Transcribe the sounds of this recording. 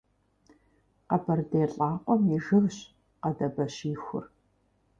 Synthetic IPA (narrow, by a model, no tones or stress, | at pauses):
qɐbʰɐrdeːɬʼaːqʷɔmiʒɨvɕ | qɐdɐbɐɕiːxʷʊ̰r